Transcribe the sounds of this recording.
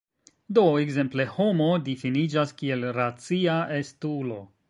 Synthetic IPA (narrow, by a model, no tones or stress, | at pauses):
do̞ekze̞mple̞ho̞modifinid͡ʒaskie̞lɾat͡siaʔestulo̞